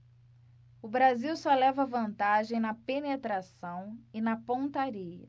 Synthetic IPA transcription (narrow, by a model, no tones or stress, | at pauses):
ʊbɾaziwsɔlɛvɐvɐ̃nt̪aʒẽj̃nɐpenet̪ɾasɐ̃w̃ɪnɐpõt̪aɾiɐ̰